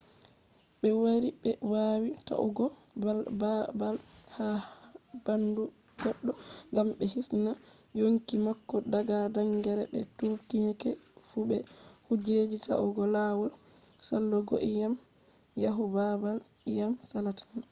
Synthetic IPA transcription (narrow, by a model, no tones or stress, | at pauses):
ɓɛwaɾiɓɛwawita̰ʔṵɡɔ | albabalha | bandu | ɡɔɗːɔŋɡamɓɛhisna | joŋkimakːɔdaɡadaŋɡɛɾɛɓɛ̰tukinɛkɛfubɛhud͡ʒed͡ʒita̰ʔuɡɔlawɔ | salːɔɡo̰ʔijam | jaɦubabal | jamsalatḁn